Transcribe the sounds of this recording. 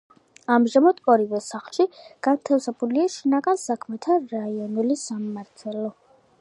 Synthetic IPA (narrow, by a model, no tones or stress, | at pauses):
amʒamad̪̥ɔɾivɛsaχlˠʃiɡ̥ant̪ʰafsɛbuliaʃinaɡansakʰmɛt̪ʰaɾaiɔnulisamːaɾt̪ʰɛlɔ